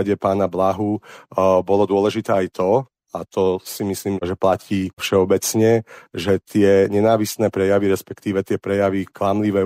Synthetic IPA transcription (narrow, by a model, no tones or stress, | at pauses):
ɟɛpaːnablaɦu | bɔlɔd̪ʊɔlɛʒit̪ɛːajt̪ʰɔ | at̪ɔsimisliːmʒɛplaciːfʃɛɔbɛt͡sɲɛʒɛt̪ɪɛɲɛnaːʋisnɛːpɾɛjaʋiɾɛspɛkt̪iːʋɛt̪ɪɛpɾɛjaʋiklamliʋɛ